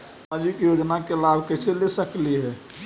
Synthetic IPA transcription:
ad͡ʒikjod͡ʒnakelabʱkəɦselesəkliɦɛː

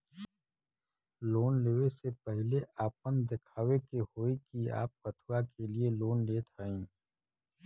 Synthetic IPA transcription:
loːnleːʋesepɛɦleaːpənd̪ɪkʰaːwekehoːikia̰ːp̚kət̪ʰuakʰelieloːnleːt̪aːĩː

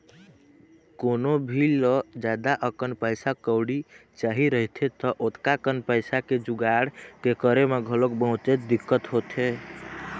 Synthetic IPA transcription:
konobʱilɔd͡ʒad̪aʔəkənpəɪsakəwɽit͡ʃaɦiɾəɦt̪ʰet̪ɔʔot̪kakənpəɪsaked͡ʒuɡaɽkekəɾemeɡʱəlok̚bəɦũt͡ʃet̪̚d̪ikːət̪ɦot̪ʰe

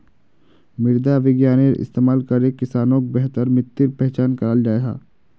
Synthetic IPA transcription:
mɪɾd̪aʋɪɡjaːneɾʔɪ̰st̪eːmaːlkɐɾekɪsaːnõk̚bɛɦt̪əɾmɪ̃t̪ːɪɾpɛɦt͡ʃaːnkɐɾəld͡ʒaːeɡa̰ː

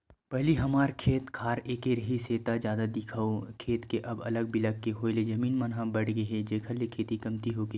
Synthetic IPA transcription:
pɛɦliɦɐmaːɾkʰeːt̪kʰaːɾeːkeɾɐɦiseːt̪ad͡ʒjaːd̪ad̪ɪkʰaokʰeːt̪keʔɐbɐləɡ̚bɪləkːeɦoːled͡ʒɐmiːnmɐnɦãbɐɽɡɐɦed͡ʒeːkʰəllekʰeːt̪ikɐmt̪iɦoːɡi

